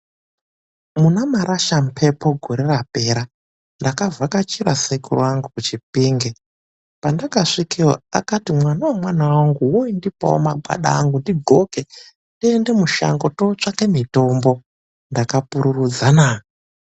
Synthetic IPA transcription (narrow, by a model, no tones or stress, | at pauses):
munamaɾaʃamupʰe̞po̞ɡʱoɾerape̞ɾa | ndakavakat͡ʃiɾasekṵr̰aŋɡukut͡ʃip̚iːŋɡe | pandakaʂikiwo̰a̰katimwanawamwanawaŋɡuwoindipa̰o̰maɡʱa̰ɗa̰ːŋɡundiɡʱo̞ke | ndiende̞muʃa̰ŋɡo̞tot͡ʂake̞mito̞mbo̞ | ndakapuɾurud͡zanaː